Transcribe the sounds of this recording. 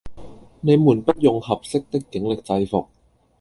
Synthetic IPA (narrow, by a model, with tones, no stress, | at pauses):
na˧jmuː˨˩npa˦˥t̪̚jo˧ŋha˨˩p̚se˦˥k̚t̪e˦˥t̚kːe˨˩˦ŋle˨˩k̚t͡sa˧jfo˨˩k̚